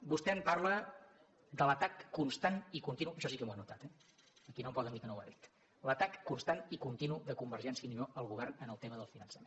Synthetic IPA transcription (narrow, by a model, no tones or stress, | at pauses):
bust̪ɛmparlə | d̪ələt̪akːunst̪anikunt̪inuʃɔsikəmuanut̪at̪ɛ | əkinõmpɔlˠðəmikənowa̰ðit̪ | lət̪akːunst̪anikunt̪inuðəkumbəɾrʒɛnsiəninoʔəlˠɣuβɛrnənəlˠt̪eməðəlˠfinənsəmen